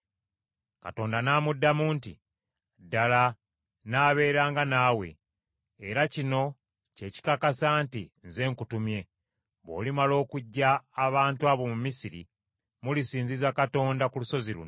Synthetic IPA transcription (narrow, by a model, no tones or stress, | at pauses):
ka̰to̞ːndanaːmudːamuːntḭ | dala | naːβe̞ːɾaːŋɡanaːwe̞̰ː | ɾacino̞ | ce̞ci̥kakasaːntinze̞ːŋkutumje̞ | βo̞̰ːlimalo̞ːkuɟːaːβaːntuwaβo̞mumisiɾḭ | mulisiːnzizakato̞ːndakuluso̞ziɾṵn